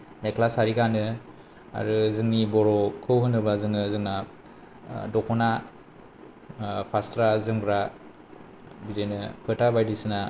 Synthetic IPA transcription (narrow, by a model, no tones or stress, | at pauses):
mekʰlasaɾiɡanɯ | a̰ɾɯzɯŋnibɔɾɔkʰɯwɦɯnɯbazɯŋɯzɯŋna | dɔkʰɔna | pʰastɾazɯŋbɾa | bidenɯpʰɯtabajdisna